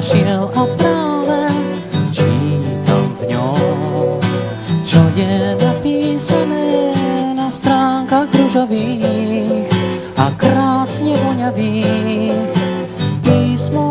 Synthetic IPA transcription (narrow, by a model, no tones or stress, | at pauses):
ʃɪɛlɔpɾavɛ | t͡ʃiːɲit̪a̰mvɲɔw | t͡ʃɔjɛnapiːsanɛjɛnast̪ɾaːŋkaɡɾuʒɔviː | x | ʔa̰kɾaːsɲɛbɔɲaviːxpiːsmɔ